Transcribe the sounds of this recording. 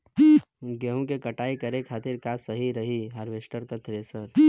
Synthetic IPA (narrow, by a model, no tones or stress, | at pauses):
ɡeɦũkekəʈaːikəɾekʰaːt̪ɪɾkasəɦiɾəɦiɦəɾʋesʈəɾkət̪ɾesəɾ